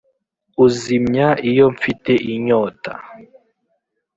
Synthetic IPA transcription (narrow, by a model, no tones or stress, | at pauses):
uzimɲaʔijoɱfiteʔiɲoːta̰